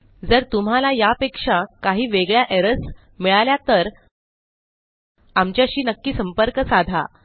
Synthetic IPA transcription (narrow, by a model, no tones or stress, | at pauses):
d͡zəɾt̪um̤alajapekʂakaɦiːʋeɡɭjaʔeɾəs | miɭaljat̪əɾ | amt͡ɕjaɕiːnəkːiːsəmpəɾkəsad̪ʱa̰